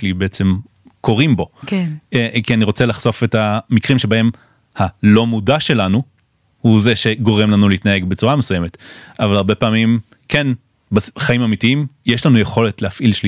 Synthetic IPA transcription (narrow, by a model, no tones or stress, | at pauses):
libeet͡se̞m | ko̞ʁimbo̞keekianiʁo̞t͡selaχso̞fe̞tamikʁimʃe̞bae̞m | halo̞mudaʃe̞lanu | huzeʃe̞ɡo̞ʁe̞mlanuleitnae̞ɡbet͡suʁamesujeme̞tavalaʁbe̞paːmim | ken | basχaimamitiimjeʃlanujeχo̞le̞tlehafʔilʃli